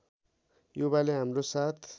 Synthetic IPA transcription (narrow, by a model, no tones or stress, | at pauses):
jubaleɦamrosat̪ʰ